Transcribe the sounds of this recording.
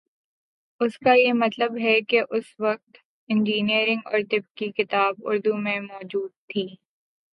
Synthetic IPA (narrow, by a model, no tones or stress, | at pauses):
ʊskajemɐt̪ləbɦɛkeʔʊsʋɐk̚t̪ | ɪ̃nd͡ʒiːniəɾɪ̃ŋɡɔ̰ːɾt̪ɪp̚kikɪt̪aːbʊ̰ɾd̪umẽmɔːd͡ʒuːd̪̚t̪ʰiː